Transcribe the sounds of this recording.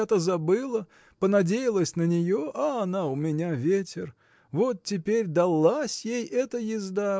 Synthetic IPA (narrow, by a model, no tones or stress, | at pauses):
ɛt̪əzɐbɨlˠə | pənɐdʲejɪlˠəsʲnənʲɪjoʔɐɐnaʊmʲɪnʲavʲetʲɪr | vo̞t̪̚tʲːɪpʲeɾʲd̪ɐlˠːasʲjejɛt̪əjɪzd̪a